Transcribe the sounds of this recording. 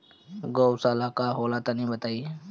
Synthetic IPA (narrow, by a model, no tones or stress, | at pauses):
ɡoːwsaːlaːkaːɦoːlaːt̪anəɦĩbət̪aːiː